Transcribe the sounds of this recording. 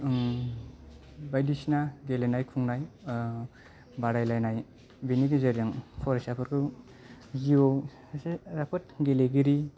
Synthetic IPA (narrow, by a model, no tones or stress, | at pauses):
bajdisnaɡelenajkʰuŋnaj | baɾajlajnaj | biniɡizeɾijaŋpʰɔɾesapʰɯɾkʰɯ | ɡiow | eɾapʰɯt̚ɡeleɡiɾi